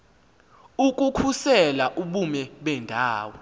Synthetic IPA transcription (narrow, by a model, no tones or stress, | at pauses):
uk̬ʼukʰusɛlaʔuɓumɛɓɛndʱaːwɔ